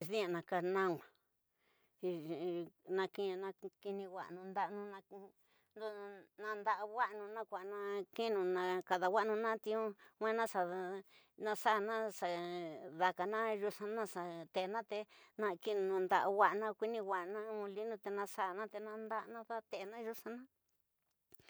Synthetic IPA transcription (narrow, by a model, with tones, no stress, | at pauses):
ðĩ˦ã˧˨nã˧ka˧nã˦ŋʷã˨ | i˧ | nã˧kĩ˦˧nã˧ki˧nĩ˧wʷa̰˨ʔnũ˧nd̪a˦˧ʔnũ˧nã˧ | nd̪o˧nã˧nd̪a˧ʔa˧wʷa˦ʔnũ˧nã˦kʷa˨ʔnã˧ki˦nũ˧nã˧ka˧ða˨wa˦˧nũ˧nã˦t̪ĩ˧ũ˦ŋʷẽ˦nã˦sa˨ | nã˧sa˦˨nã˦sa˧˨ða˧ka˨nã˦ʒu˧sã˧nã˦sa˨t̪e˨ʔnã˦t̪e˧nã˧ki˦˧nũ˧nũ˧nd̪a˧˨ʔwʷa˧ʔnã˧kʷi˦nĩ˧wʷa˨ʔnã˦ũ˧li˦nũ˧t̪e˧nã˧sa˧˨nã˦t̪e˧nã˧nd̪a˦ʔnã˦ða˦t̪e˧˨˧nã˦ʒu˦sã˧nã˦